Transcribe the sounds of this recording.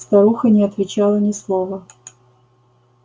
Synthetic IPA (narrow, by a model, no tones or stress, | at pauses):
st̪ɐɾuxənʲɪɐt̪vʲɪt͡ɕalˠənʲɪslˠovə